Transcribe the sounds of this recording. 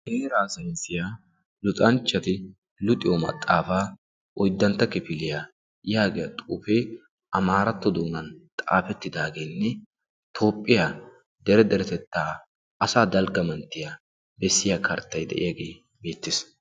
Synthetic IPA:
heːɾaːsɐjɪnsɪjaː | lʊt̪ʼɐnt͡ʃːɐt̪ɪ | lʊt̪ʼːɪjɔmɐ̰t̪ʼːaːfaː | ʔɔjd̪ːɐnt̪ːɐkɪpɪlɪjaː | jaːɡɛjɐt̪ʼuːfeː | ʔɐmaːɾɐt̪ːɔd̪uːnɐnt̪ʼa̰ːfɛt̪ːɪd̪aːɡe̞ːnːɛ | t̪ʰo̞ːpʼːɪja | d̪ɛɾɛd̪ɛɾɛt̪ɛt̪ːaː | ɐsaːd̪ɐlɡɐmɐnt̪ːɪja | bɛsːɪjaːkʰɐ̰ɾt̪ːɐjd̪ɛ̰ʔɪ̰jaɡe̞ː | beːt̪ːɪs

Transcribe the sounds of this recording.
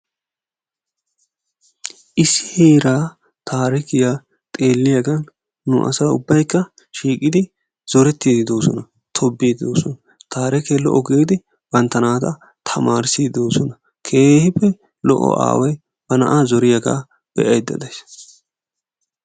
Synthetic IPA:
ʔɪsːɪ̥heːɾaː | t̪ʰaːɾɪkɪjaː | t̪ʼe̞ːlːɪjɐɡɐnː | ʊ̰ʔɐ̰sɐʊbːɐjkːɐ | ʃiːkʼɪd̪ɪ | z̥ɔɾɛt̪ːid̪ɪd̪o̞ːsɔnɐ | t̪ʰɔbːeːd̪ɪd̪o̰ːsɔnɐ | t̪ʰaːɾɪkelɔ̰ʔɔɡeːd̪ɪ | b̥ɐnt̪ːɐnaːt̪ɐ | t̪ʰɐmaːɾsid̪oːsɔnɐ | kʰe̞ːhɪpːɛ | lɔ̰ʔɔ̰ʔa̰ːwɐj | b̥ɐnɐʔaːzɔɾɪjɐɡa̰ː | b̥ɛ̰ʔɐjd̪ːɐ̰d̪ɐjs

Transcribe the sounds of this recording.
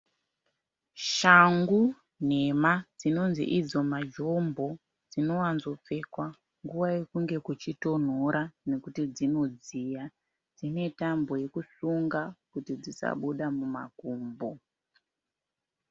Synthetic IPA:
ʃaŋɡu | n̤e̞mad͡zino̞nzḭʔid͡zo̞mad͡ʒo̞mbo̞ | d͡zino̞wanzo̞p͡fe̞kwa | ŋɡuwaje̞kuŋɡe̞kut͡ʃito̞n̤oɾane̞kutid͡zino̞d͡zija | d͡zine̞tambo̞je̞kusuŋɡakutid͡zisa̰ɓuɗamuma̰kuːmbo

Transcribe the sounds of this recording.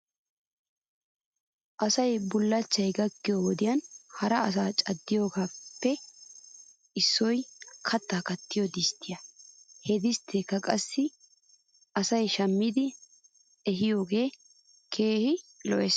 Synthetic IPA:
ʔɐsɐjbʊlːɐt͡ʃːɐjɡɐkːɪjowɔd̪ɪjɐnhɐɾɐɐs̬aːt͡ʃʼɐd̪ːɪjo̞ːɡaːpːɛ | ɪsːɔjkʰɐt̪ːaːkɐt̪ːɪjod̪ɪst̪ːɪjɐhɛd̪ɪst̪ʰːeːkːɐkʼɐsːɪ | ɐsɐjʃɐmːɪd̪ɪ | ɛɦɪjo̞ːɡe̞ː | kʰe̞ːhɪlɔʔɛs

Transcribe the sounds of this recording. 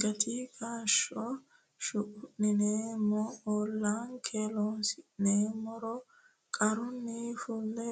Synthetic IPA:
ɡɐt̪ʰikʰaːʃɔ | ʃʊʔʊnɪneːmɔoːlːaːnkʰelɔnsɪneːmɔɾɔ | kʼɐɾʊnːifʊlːɛ

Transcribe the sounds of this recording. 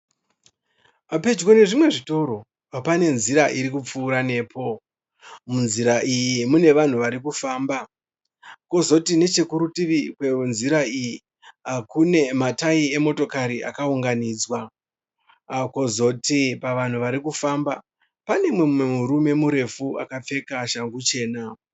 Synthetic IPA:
ape̞d͡ʒwo̞ne̞ʐimwe̞ʐito̞ɾo̞ | pane̞nziɾaʔiɾikup͡fuːɾane̞ːpʰo̞ | munziɾaʔijimune̞ʋan̤uʋaɾikufaːmba | ko̞zo̞tine̞t͡ʃe̞kuɾutiʋikwenziɾaiji | akune̞mataie̞mo̞to̞kaɾiʔa̰kauŋɡaniːd͡zwa | ko̞zo̞tipaʋan̤uʋaɾikufaːmba | pane̞mwe̞mwemuɾume̞muɾe̞fuakap͡fe̞kaʃaŋɡut͡ʃe̞ːna

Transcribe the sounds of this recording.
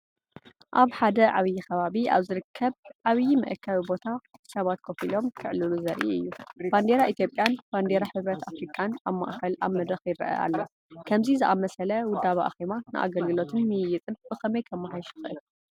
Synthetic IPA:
ʔaβħad̪ɐʕaβjikʰɐβaβiʔa̰βzɨɾɨkʰːɐβʕaβɨjimɨ̰ʔɨkʰːɐβibo̞t̪ʰḁsɐβat̪̚kʰofilo̞mkʰɨʕlɨluzɐɾʔḭɨjːub̥and̪eɾaʔit̪jo̞pʼjanb̥and̪eɾaħɨβɾɐt̪ʰafɾikʼanaβma̰ʔxɐlʔa̰βmɐd̪ɐxjɪɾɐ̰ʔɐ̰ʔa̰lːo | kʰɐmzizɨʔamɐsɐlɐwʊd̪ːaβaʔa̰ximanɨ̰ʔa̰ɡɐlɡɨlo̞t̪ʰɨnmɨjjɪt͡sʼɨnɨxɨmɐjkʰɐmːaħajʃu̥xɨʔɨl

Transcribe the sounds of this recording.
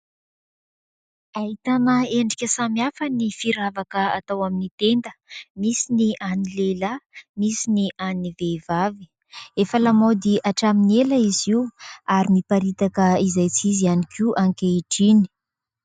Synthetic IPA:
aɦit̪anəeɳɖ͡ʐikʲəsamiafanifiɾavakəa̰t̪awaminit̪end̪əmisiniʔanilelamisiniʔanivevavi̥ | efəlamod̪iʔaʈ͡ʂamineləiziuaɾinipaɾit̪akəizajt͡sizianikiuʔaŋkʲeiʈ͡ʂini̥

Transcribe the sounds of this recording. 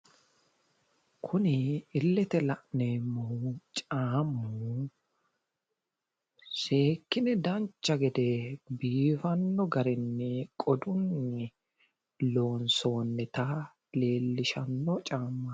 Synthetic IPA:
kʰʊnɪːlːɛt̪ɛlɐʔneːmːɔht͡ʃʼaːmːu | ʃe̞ːkːɪnɛd̪ɐnt͡ʃːɐɡɛd̪ɛbiːfɐnːɔɡɐɾɪnːɛkʼɔd̪ʊnːɛ | loːnso̞ːnːɛt̪ɐ | le̞ːlːɪʃɐnːɔt͡ʃʼaːmːɐ

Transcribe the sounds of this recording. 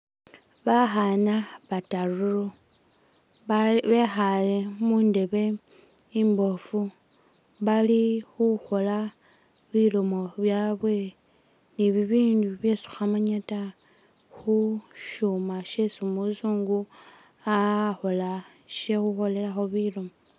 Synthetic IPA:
βaxanaβataruɾo | βe̞xale̞muːnde̞βe̞ | imbo̞fu | βalixuxo̞la | βilomo̞βjaːβwe̞ | niβiβiːnduβje̞su̥xamaɲata | xuʃumaʃe̞sumusuːŋɡu | axo̞la | ʃexuxo̞le̞laxo̞βilomo

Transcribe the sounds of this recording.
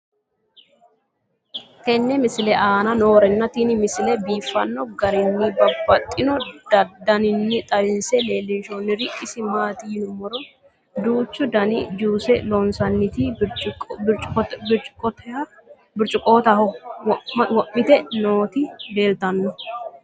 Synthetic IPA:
kɛnːɛmɪsɪlɛʔaːnɐno̞ːɾɛnːɐt̪inɪmɪsɪlɛbiːfːɐnːɔɡɐɾɪnːɪbɐbːɐt̪ʼːɪnɔd̪ɐd̪ɐnɪnːɪt̪ʼɐbɪnsɛle̞ːlːɪnʃoːnːɪɾɪʔɪsɪmaːt̪inʊmːɔɾɔ | d̪uːt͡ʃːʊd̪ɐnɪd͡ʒuːsɛlɔnsɐnːɪt̪i | t͡ʃt͡ʃʼkʼɔt̪ɛɐ | bɪɾt͡ʃʼʊkʼoːt̪ɐhɔ | wɐmːɪt̪ɛnoːt̪id̪e̞ːlt̪ɐnːɔ

